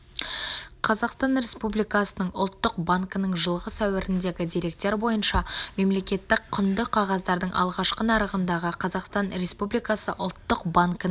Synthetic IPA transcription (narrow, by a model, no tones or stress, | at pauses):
qʰɑzɑqst̪ɑnɾe̞spublijkɑsənəɴʊ̰lˠt̪ːəq̚baŋkənəɴʒəlˠʁəsæwɪɾɪnd̪e̞ɡʲɪd̪iɾe̞k̚t̪eɾbo̞jənʃɑme̞mle̞kʲe̞t̪ːɪkqʰːʏnd̪ɪqʰɑʁɑzd̪ɑɾd̪əɴʔɑ̰lˠʁɑʃqənɑɾəʁənd̪ɑʁəqʰɑzɑqst̪ɑnɾe̞spublijkɑsəʔʊ̰lˠt̪ːəqbaŋkə